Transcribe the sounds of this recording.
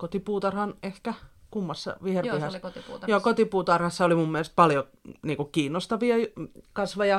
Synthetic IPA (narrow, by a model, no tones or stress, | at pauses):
kot̪ipuːt̪ɑrhɑnehkækumːɑsːɑ̰ʋiherpihɑsjoːkot̪ipuːt̪ɑrhɑsːɑolimumːielest̪̚pɑljo | niːkukkiːnːost̪ɑʋiɑkɑsʋɑjɑ